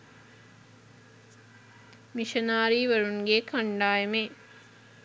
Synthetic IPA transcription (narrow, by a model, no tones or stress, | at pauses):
miʃɐnaːɾiːʋəɾunɡeːkʰaɳɖaːjeme